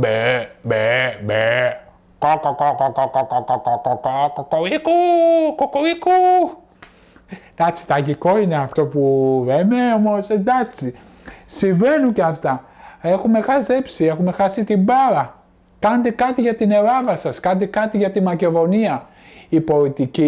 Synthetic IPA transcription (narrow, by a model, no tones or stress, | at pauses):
bebebe | kokokokokokokokokokokokokoikukokoiku | d̪ɐksi̥t̪ɐʝiko̞ine̞ɐft̪o̞puleme̞omosend̪ɐksi | siɱve̞nuɲceɐft̪ɐe̞xume̞xɐzepsie̞xume̞xɐsit̪imbɐɾɐ | kɐnet̪ekɐt̪iʝɐt̪ine̞ɾɐvɐsɐskɐnt̪ekɐt̪iʝɐt̪imɐce̞ðo̞niɐ | ipo̞lit̪ici